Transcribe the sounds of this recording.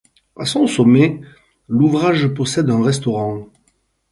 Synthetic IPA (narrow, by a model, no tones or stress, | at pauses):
a̰sɔ̃sɔme | luvʁaʒəpɔsɛd̪ɛ̃ʁɛst̪ɔʁɑ̃